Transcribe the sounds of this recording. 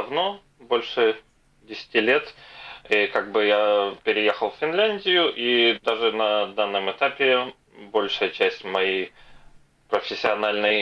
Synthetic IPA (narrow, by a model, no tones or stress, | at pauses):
d̪ɐvno̞ | bo̞lʲʂɨ | dʲɪsʲɪ̥tʲilʲet̪ikaɡ̚bɨjapʲɪɾʲɪjexəlˠfʲfʲɪnlʲænʲdʲɪjʊʔid̪aʐɨnɐd̪anːɨmɨt̪apʲɪ | bo̞lʲʂɨjət͡ɕæsʲtʲmɐjej | pɾəfʲɪsʲːɪɐnalʲnəj